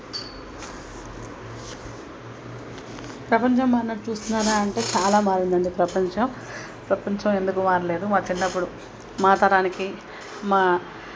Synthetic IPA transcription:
pɾɐpɐɲt͡ʃɐmːaːɾɐnɐʈt͡ʃuːst̪unːaːɾaːɐɳʈe̞ːt͡ʃaːlaːmaːɾind̪ɐɳɖipɾɐpɐɲt͡ʃɐm | pɾɐpɐɲt͡ʃɐme̞nd̪ukumaːɾɐle̞ːd̪umaːt͡ʃinːɐpːuɽu | maːt̪ɐɾaːniki | maː

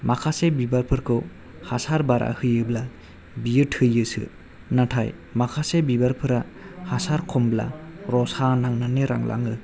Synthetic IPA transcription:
makʰasebibaɾpʰɯɾkʰɯw | hasaɾbaɾʔa̰hɯjɯbla | bijɯthɯjɯsɯ̰ | natʰaj | makʰasebibaɾpʰɯɾahasaɾkʰɔmbla̰ɾɔsanaŋnaneɾa̰ŋlʔa̰ŋɯ

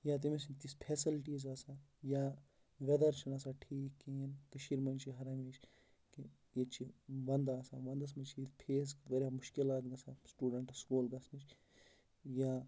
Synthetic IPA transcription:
jaːt̪̬imesint̪ispʰeːsilʈiːzaːsaːjaː | ʋɐd̪ɐɾt͡ʃʰɐnɐsaːʈʰiːkːeːnkɐʃiɾmɐnt͡ʃʰiɦɐɾɐmit͡ʃʰ | ki | et͡ʃʰiʋɐnd̪aːsaːʋɐnd̪ɐs̬mɐt͡ʃʰiit̪pʰeːskʋɐɾʲamʊʃkilaːt̪ɡɐsaːsʈuːɖɐɳʈɐskuːlɡɐsnit͡ʃʰ | jaː

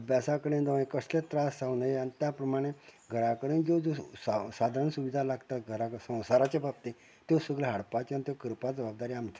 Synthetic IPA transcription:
basakəɽẽnd̪əʋĩkəslet̪ɾasawnəjeanit̪japɾəmaɽ̃eɡʱəɾakəɽẽnd͡zod͡zossad̪ʱaɾɳsuʋid̪ʱalaɡt̪aɡʱəɾaksə̃w̃saɾat͡ɕebab̚t̪e | t̪josəɡleɦaɽpat͡ɕanit̪jokəɾpad͡zəbab̚d̪aɾiamt͡sa

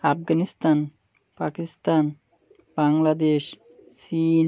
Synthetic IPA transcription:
afɡanist̪an | pakist̪an | b̥aŋlad̪eʃ | sin

